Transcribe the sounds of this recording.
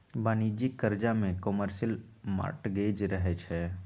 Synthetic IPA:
baːnid͡ʒikːəɾd͡ʒamẽkəməɾʃəlma̰ːʈɡeːd͡ʒɾəɦɛt͡ʃʰɛː

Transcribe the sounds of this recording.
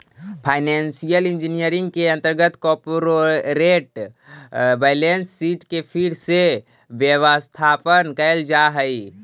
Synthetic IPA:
pʰaːɪnɛːnsijəlɪ̃nd͡ʒinijəɾɪ̃ŋɡ̚keɐ̃nt̪əɾɡət̪kɔpɾoɾeːʈ | bɛːlensːiːʈkepʰiɾse | ʋjəʋəst̪ʰaːpənkəld͡ʒaɦəi

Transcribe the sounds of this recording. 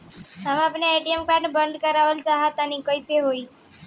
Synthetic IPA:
amapneeʈiemkaɾɖbənɖ̪kəɾaʋəlt͡ʃaɦat̪anikəjseɦoi

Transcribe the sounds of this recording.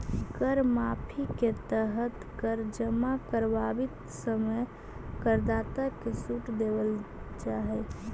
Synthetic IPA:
ɡəɾmapʰiket̪əɦət̪kəɾd͡ʒəmakəɾbabit̪ | səməj | kəɾd̪at̪əkesuʈd̪ebəl | t͡ʃaɦɛ

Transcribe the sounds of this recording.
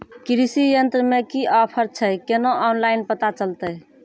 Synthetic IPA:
kɾisijənt̪ɾəmekiʔɔpʰəɾt͡ʃʰəjkenoʔɔnlaɪnpət̪at͡ʃəlt̪əj

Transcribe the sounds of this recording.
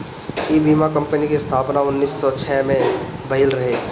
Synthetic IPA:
ibiːmakə̃mpənikest̪ʰaːpnaʊnːiːsːɔt͡ʃʰɛːmẽbɐɦɪlɾɐɦeː

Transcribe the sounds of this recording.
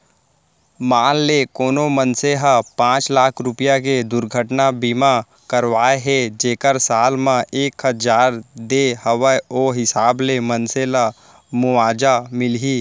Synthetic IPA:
maːlːekoːnomənseɦapãːt͡ʃlaːkʰɾʊpijak̬ed̪ʊɾɡʱəʈnabiːma | kəɾʋaːeɦɛd͡ʒeːkəɾsaːlmãʔeːkɦəd͡ʒaːɾd̪ehəʋəoːɦɪsaːblemənsela | mʊʋaːd͡ʒamɪlɦiː

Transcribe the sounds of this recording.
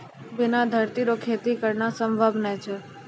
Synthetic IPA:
bɪnad̪ʱəɾt̪iɾokʰet̪ikəɾnasəmbʱəbnət͡ʃʰɛ

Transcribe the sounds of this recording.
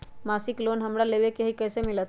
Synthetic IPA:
masiklonɦəmɾaleʋekeɦikəːsemɪlət̪

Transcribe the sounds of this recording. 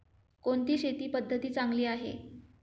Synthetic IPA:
koɳt̪iːɕet̪iːpəd̪ʱːət̪iːt͡saŋɡliːaɦḛ

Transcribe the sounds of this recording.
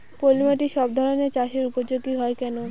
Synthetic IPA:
polimaʈiʃɔb̚d̪ʱɔɾoneɾt͡ɕaʃeɾupod͡ʑoɡːiɦɔekɛno

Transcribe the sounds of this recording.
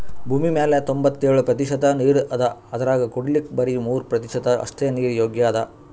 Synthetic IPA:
bʱuːmimeːlet̪ombɐt̪ːeːɭupɾɐt̪iʃɐd̪ɐniːɾɐd̪ɐɐd̪ɐɾaːɡɐkoɽilikbɐɾimuːɾpɾɐt̪iʂɐd̪ɐʔɐ̰st̪eniːɾjoːɡjaːd̪ɐ

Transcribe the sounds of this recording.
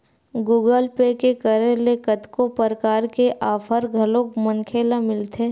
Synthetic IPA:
ɡuːɡəlpekekəɾelekət̪kopəɾəkaːɾkeʔaːfʰəɾɡʱɐlõkmənkʰeːlamɪlt̪ʰeː

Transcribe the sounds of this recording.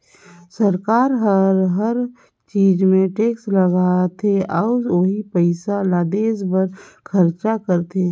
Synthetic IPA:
səɾkaːɾɦəɾɦəɾ | t͡ʃiːd͡ʒmẽʈeːksləɡaːt̪ʰeaːoɦipəɪsalaːd̪eːsbəɾkʰəɾt͡ʃakəɾt̪ʰe

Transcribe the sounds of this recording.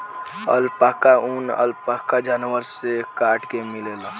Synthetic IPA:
ə̰lpakaunə̰lpakad͡ʒaːnʋəɾsekaːʈkemɪleːlaː

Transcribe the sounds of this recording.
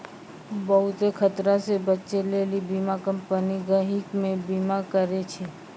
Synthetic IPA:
bəɦʊt̪ekʰət̪ɾasebətːʃelelibimakəmpəniɡəɦɪkmẽbimakəɾet͡ʃʰe

